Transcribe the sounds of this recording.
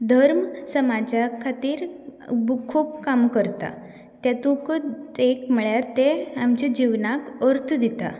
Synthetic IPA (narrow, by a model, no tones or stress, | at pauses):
d̪ʱəɾmsəmad͡ʑakʰat̪iːɾbukʰuːp̚kamkəɾt̪a̰ | t̪jat̪ũkəekm̤əɭjaɾt̪eamt͡ɕed͡ʑiʋnakəɾt̪ʰd̪it̪a̰